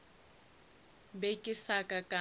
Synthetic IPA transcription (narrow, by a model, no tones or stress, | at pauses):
bekʼɪsakʼakʼa